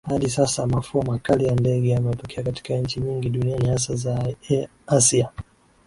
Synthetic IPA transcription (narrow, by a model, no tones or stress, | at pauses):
haɗisasamafuamakalijandɛɠɛjamɛtɔkʰɛakati̥kaɲt͡ʃiɲiŋɡiɗunianihas̬aza | asia